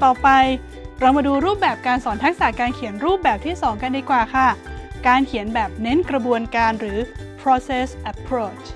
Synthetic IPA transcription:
t̪ɔː˨˩pa˧j | ɾa˧wmaː˧duː˧ɾuː˥˩p̚bɛː˨˩p̚kaː˧nsɔː˩˦nt̪ʰa˦˥k̚sa˨˩kaː˧nkʰi˨˩˦ənɾuː˥˩p̚bɛː˨˩p̚t̪ʰiː˥˩sɔː˩˦ŋka˧ndiː˧kwaː˨˩kʰa˥˩kaː˧nkʰi˨˩˦ənbɛː˨˩p̚ne˦˥nkɾa˧bu˧ənkaː˧nɾɯː˩˦pʰɾɔː˦˧se˥˩sʔa˧pʰɾoː˥˩t͡ɕʰ

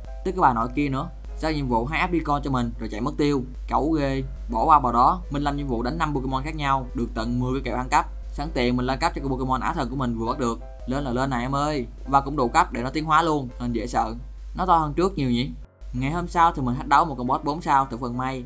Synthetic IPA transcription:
t̪ɨ˦˥kaː˨˦jɓaː˨˩nɔ̰˧˩jki˧ənɨ̰˧˥ə | zaː˦˥k̚ɲḭ˧˨əmvṵ˧˨ɦaː˦ʔaː˦˥p̚ɗi˧kɔ˧nt͡ɕɔ˧mï˨˩ŋ̟zo˨˩jt͡ɕa̰˧˨jmɨ˦˥k̚t̪i˧əw | kə˨˧˩wɣe˧ | ɓɔ˧˩kwaː˧vaː˨˩ɗɔ˨˦mï˨˩n̟laː˧˩mɲḭ˧˨mvṵ˧˨ɗa˨˦ŋ̟nːa˧mɓo˧ki˧mɔ˧nxaː˦˥k̚ɲa˧wɗɨ˨˩ək̚t̪ə̰˧˨nmɨ˧˩əkːjkḛ˧˩ʔaː˧nka˦˥p̚ | saː˧˩ŋt̪ḭ˨˩ənmï˨˩ŋlaː˧nka˦˥p̚t͡ɕɔ˧˦˩ɓo˧ki˧mɔ˧nʔa̰ː˧˩t̪ʰə˨˩nku˧˩əmï˨˩ŋ̟vɨ˨˩ɓaː˦˥ɗɨ˨˩ək̚ | ləː˧nlaː˨˩ləː˧nːa˨˩jʔa˧mʔəː˧j | vaː˨˩kʊ̰˧˥ŋ͡mɗṵ˧˨ka˦˥p̚ɗe˧˩nɔ˨˦t̪i˨˦ənɦwaː˨˦lu˧ənhə˧˩nzḛ˧˥sə̰ː˧˨n | nɔ˨˦t̪ɔ˧həː˧nt͡ɕɨ˦˥k̚ɲi˨˩wɲḭ˨˦ | ŋa˨˩jhəː˧msaː˧wt̪ʰi˨˩mi˨˩ŋ̟ɦa˦˥k̚ɗə˨˦wmo˨˩t̚kɔ˧ŋ͡mɓɔ˦˥t̚ɓo˨˦nsaː˧wt̪ɨ˧˩fə˨˩nma˧j

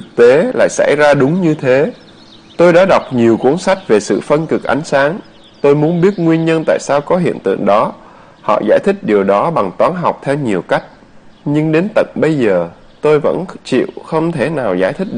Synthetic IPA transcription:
t̪ʰɨ˨˩k̚t̪e˨˦la̰ː˧˨jsa̰˧˩jzaː˧ɗʊ˨˦ŋ͡mɲɨ˧t̪ʰe˨˦ | t̪o˧jɗa̰ː˧˥ɗa˨˩wk͡p̚ɲi˨˩əwku˨˦əŋsa˦˥jk̟̚ve˨˩sɨ̰˧˨fə˧nkɨ˨˩k̚ʔa˨˦jŋ̟saː˨˦ŋ | t̪o˧jmu˨˦ənɓi˦˥ət̚ŋwi˧ənɲə˧nt̪a̰ː˧˨jsaː˧wkɔ˨˦ɦḭ˧˨ənt̪ɨ̰˧˨əŋɗɔ˨˦ | hɔ̰˧˨za̰ː˧˩jt̪ʰï˦˥k̟̚ɗi˨˩əwɗɔ˨˦ɓa˨˩ŋt̪waː˨˦nɦa˨˩wk͡p̚t̪ʰɛ˧wɲi˨˩əwka˦˥jk̟̚ | ɲɨ˧ŋɗe˨˦nt̪ə̰˧˨nɓə˧jzəː˨˩ | t̪o˧jvə̰˧˥nt͡ɕḭ˧˨wxə˧wŋ͡mt̪ʰe˧˩naː˨˩wzaː˧˩jt̪ʰï˦˥k̚ɗ

